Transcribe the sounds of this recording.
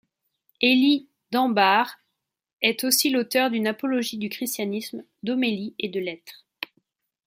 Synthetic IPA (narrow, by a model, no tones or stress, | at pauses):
eli | d̪ɑ̃baʁ | ɛt̪osilot̪œʁd̪ynapɔlɔʒid̪ykχist̪janism | d̪omelied̪əlɛt̪χ